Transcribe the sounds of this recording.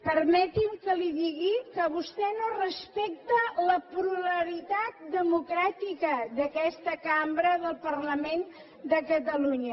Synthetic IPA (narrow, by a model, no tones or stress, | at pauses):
pəɾmɛt̪imkəliðiɣikəβust̪ɛnorəspek̚t̪ələpɾuləɾit̪at̪̚d̪əmukɾat̪ikəðəkɛst̪əkambɾəðəlˠpərləmen | d̪əkət̪əluɲə